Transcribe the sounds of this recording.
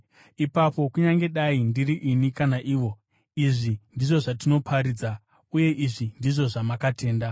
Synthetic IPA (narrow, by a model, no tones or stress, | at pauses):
ipapo̞kuɲaŋɡe̞ɗaindiriʔinikanaʔiːʋo̞ | iʐindiʐo̞ʐatino̞pʰaɾid͡za | uje̞ʔiʐindiʐo̞ʐamakate̞ːnda